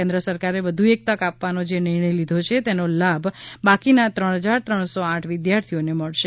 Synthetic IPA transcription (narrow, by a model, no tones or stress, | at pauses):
ẽnd̪ɾəsəɾkaɾeʋəd̪ʱuek̚t̪əkapʋanod͡ʒenɪɾɳəjlid̪ʱot͡ʃʰet̪enolabʱbakinat̪ɾəɳ̃ɦəd͡ʒaɾt̪ɾəɳ̃soãʈʰʋɪd̪jaɾt̪ʰioneməɭʃe